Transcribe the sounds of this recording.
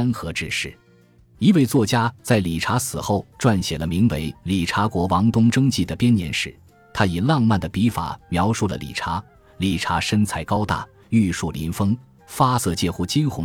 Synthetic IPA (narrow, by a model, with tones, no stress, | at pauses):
nxɤ˧˥ʈ͡ʂɻ̩˥˧ʂɻ̩˥˩ | i˧˥we˥˧ɪt͡swɔ˥˩t͡ɕja˥t͡sa˥˩ɪli˨˩ʈ͡ʂʰa˧˥sɹ̩˨˩xo˥˩ʊʈ͡ʂwa˥˩nɕjɛ˨˩lə˦mi˧˥ŋwe˧˥ɪli˨˩ʈ͡ʂʰa˧˥kwɔ˧˥wɑ˧˥ŋt̪ʊ˥ŋʈ͡ʂɤ˥ŋt͡ɕi˥˩d̪ə˩pjɛ˥njɛ̰˧˥nʂɻ̩˥˩ | t̪ʰa˥i˨˩lɑ˥˧ŋma˥˩nd̪ə˩pi˧˥fa̰˨˩mjɑ˧˥ʊʂu˥˩lə̰˩lḭ˨˩ʈ͡ʂʰa˧˥ | li˨˩ʈ͡ʂʰa̰˧˥ʂə˥nt͡sʰa˧˥ɪkɑ˥ʊt̪a̰˥˩ | y˥˧ʂu˥˩lḭ˧˥nfɤ˥ŋ | fa˥sɤ˥˧t͡ɕjɛ˥˧xu˥˩t͡ɕi˥nxʊ˧˥